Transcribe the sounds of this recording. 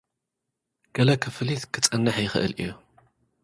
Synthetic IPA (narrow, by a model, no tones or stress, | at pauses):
ɡ̥ɐlɐkʰɨfɨlit̪kʰɨt͡sʼɐnːɐħjɪxɨʔɨ̰lʔḭjːu